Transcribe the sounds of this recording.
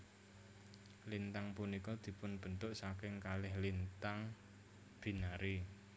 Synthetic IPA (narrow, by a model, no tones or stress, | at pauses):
lint̪aŋpunikɔd̪̥i̤pʊnb̥ə̤nt̪ʊʔsakɪŋkalɪhlint̪aŋ | b̥i̤naɾi